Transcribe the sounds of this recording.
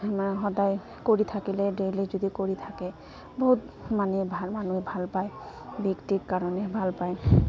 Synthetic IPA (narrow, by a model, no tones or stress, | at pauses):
mɦɔd̪aj | koɹit̪ʰakileɖelizud̪ikoɹit̪ʰake | boɦut̪ | manebʱamanuebʱalpaj | bikʈikkaɹɔnebʱalpaj